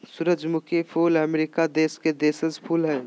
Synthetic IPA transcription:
sʊɾəd͡ʒmʊkʰepʰuːləmeɾikad̪eːsked̪eːsəzpʰuːlɦɛː

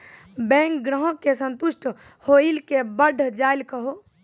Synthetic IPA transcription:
bɛ̃ːŋkɡɾəɦõkesə̃nt̪ʊʃʈʰ | hoilkebəɖʱd͡ʒaːilkəɦo

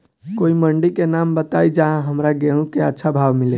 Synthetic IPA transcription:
koiməɳɖikenambət̪aid͡ʒaɦãɦəmɾaɡeũkeətːʃʰabʱaʋmile

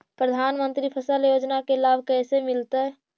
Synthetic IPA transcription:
pɾəd̪ʱanmənt̪ɾipʰəsəljod͡ʒnakelabʱkɛsemilt̪ɛ

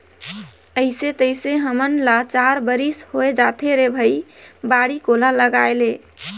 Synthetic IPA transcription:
əɪset̪əjseɦəmənlat͡ʃaɾbəɾishoed͡ʒat̪ʰeɾebʱəjbaɽikolaləɡaele

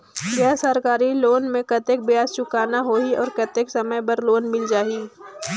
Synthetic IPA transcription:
bjaːsəɾkaːɾiloːnmẽkɐt̪ek̚bjaːst͡ʃʊkaːnaɦoːiɔːɾkɐt̪eːksɐməbɐɾloːnmɪld͡ʒaːiː

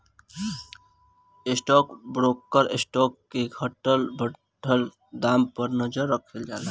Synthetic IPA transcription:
ɪsʈɔːkbɾoːkːəɾesʈɔːkːeɡʰʱəʈəlbʱə | ʈʰəl | d̪aːmpəɾnəd͡ʒəɾːəkʰeld͡ʒaːla

